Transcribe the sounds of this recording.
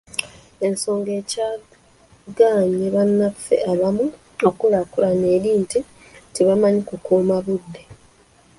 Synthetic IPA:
e̞nso̞ːŋɡe̞ːcaː | ɡaːɲeβanːafe̞̰aβamu | okulakulane̞ːɾiːnti | tiβamaɲikukuːmaβudːe̞

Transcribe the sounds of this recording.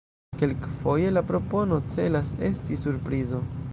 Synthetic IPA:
ke̞lkfo̞je̞lapɾo̞po̞no̞t͡se̞lase̞̰stisuɾpɾizo̞

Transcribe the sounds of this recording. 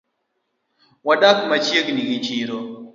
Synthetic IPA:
waɗakmat͡ʃieɡniɡit͡ʃiːɾo

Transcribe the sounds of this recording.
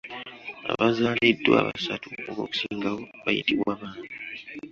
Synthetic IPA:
a̰βazaːledːwa̰ːβasatuoβo̞ːku̥siːŋɡawo̞βajḭtiβwaːβaːni

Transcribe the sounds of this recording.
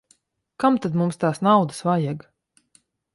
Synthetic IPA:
kamt̪ad̪mumst̪aːsnawd̪ɨ̥svajɛɡ

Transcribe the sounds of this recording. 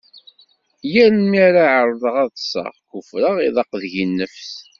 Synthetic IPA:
jæɾənmiɾaʕɾˤðˤəʁɑðˤsˤɑ̰ʁkʊfɾəʁiðɑqðʝinːəfθ

